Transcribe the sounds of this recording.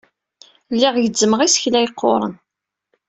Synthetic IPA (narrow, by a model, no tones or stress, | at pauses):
lːiʁjəd͡zːəməʁisçlæjqʰːoɾˤə̰n